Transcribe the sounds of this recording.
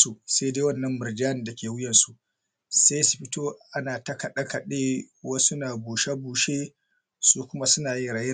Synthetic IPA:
su˨se˦jdeː˦wɐ˦˨nːɐ˦mbɪ˨rd͡ʒaː˦nɪ˨da˨kʲʰeː˨wʊ˦jɐ˨nsu˨ʔ | se˦jsu̥˨ɸɪ˦toː˦ʔa˦naː˨tɐ˦kɐ˨ɗɐ˦ka˨ɗeː˦wa˦sʊ˦naː˨buː˨ʃa˦buː˨ʃeː˦ | suː˦kʷʊ˦ma˦sʊ˦naː˨ji˦ɾaː˨jɪ˦

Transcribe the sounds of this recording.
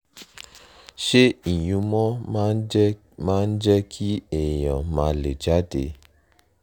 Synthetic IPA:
ʃe˦i˨j̃ũ˧mɔ̃˦ | mã˦n̩˦d͡ʒɛ˦kʰi˦ɛ˨j̃ɔ̰̃˨mã˧le˨d͡ʒa˨˦dḛ˧˦

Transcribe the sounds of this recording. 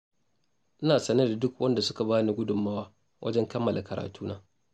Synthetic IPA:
ʔɪ˦naː˨sɐ˦nɐ˦da˨dʊ˦kwɐ˦nda˨sʊ˦ka˨baː˦ni˦ɡʷʊ˦dʊ˨mːaː˦waː˦ | wʔɐ̰˦d͡ʒɛ˦ŋkɐ˦mːɐ˨lʔa˨kɐ˨ɾʔa̰ː˨tuː˦naː˦

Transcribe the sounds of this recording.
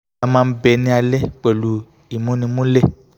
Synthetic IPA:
a˨mã˧˦be˨nĩ˧a˨le˦k͡pe˨lu˨ | i˨mũ˦nĩ˧mũ˦le˦˨

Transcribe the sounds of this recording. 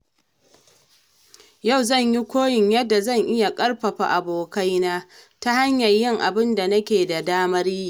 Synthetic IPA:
ja˦˨wzɐ˦˨ɲji˦kʷoː˦jɪ˨ɲjɐ˦dːa˨zɐ˦˨ŋʔɪ˦ja˨kʼɐ˦rɸɐ˨ɸa̰˨ʔa˨boː˨ka˦jnaː˦ta˦ha˦ɲjɐ˨rjɪ˦ŋʔa̰˨bɪ˦nda˨nɐ˦kʲeː˨da˨daː˦mɐ˦ɾiː˦

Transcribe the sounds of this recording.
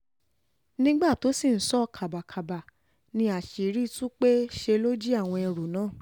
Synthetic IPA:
nĩ˦ɡ͡ba˦˨to˨˦si˦˨n̩˦sɔ˦˧kʰa˨ba˨kʰa˨ba˨ | nĩ˧a˨ʃi˨ɾi˦tũ˦k͡pe˦ʃe˧lo˦d͡ʒi˦a˦˨w̃ɔ̃˧ɛ˧ɾu˨nãː˨˦˨

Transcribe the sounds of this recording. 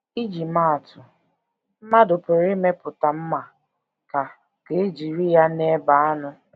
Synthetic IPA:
i˦d͡ʒi˨ma˦˨tʊ˨ | m̩˦ma˦dʊ˨pʊ˨ɾɪ˦me˦pʊ˨ta˨m̩˦ma˨ | ka˨ | ke˨˦e˦d͡ʒi˨ɾi˦ja˦ne˦ba˨a˦nʊ˦

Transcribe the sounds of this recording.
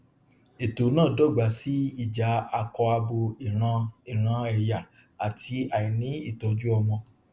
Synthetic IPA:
e˨to˨˦nãː˦˨dɔ˦˨ɡ͡ba˨˦si˦i˦˨d͡ʒa˨˦a˧kɔ˧a˧bo˧i˨ɾ̃ã˧i˦˨ɾ̃ã˧ɛ˨ja˨ | a˨tʰi˧a˨i˨nĩ˨˦i˦˨tɔ˨˧d͡ʒu˦ɔ˧mɔ̃˧

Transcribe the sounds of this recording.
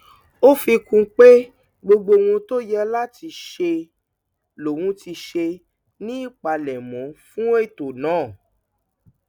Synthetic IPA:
o˦fi˧kũ˧k͡pe˦ | ɡ͡bo˧ɡ͡bo˧wũ˧to˦jɛ˦˧la˦ti˧ʃe˧ | lo˨wũ˧ti˧ʃe˧ | nĩ˦i˦˨k͡pa˧lɛ˨mɔ̃˨˦fũ˦e˦˨to˨nãː˨˦˨

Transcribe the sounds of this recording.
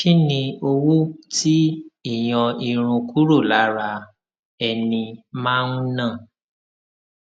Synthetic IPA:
ʃi˦nĩ˧o˧wu˦ti˦i˦˨j̃ɔ̃˧i˧ɾ̃ũ˧ku˦ɾo˦˨la˨˦ɾa˧ | ɛ˧nĩ˧mã˦nũ˦nãː˦˨

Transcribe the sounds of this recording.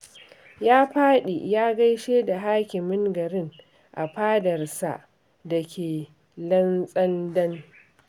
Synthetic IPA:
jaː˦ɸaː˦ɗḛ˨jaː˦ɡɐ˦jʃeː˦da˨ɦaː˦kʲɪ˨mɪ˦ŋɡɐ˨ɾɪ˦ŋ | ʔa̰˨ɸaː˦dɐ˨rsa̰˨ʔ | dɐ˨kʲʰeː˨ | lɐ˦nsʼɐ˦ndɐ˦n

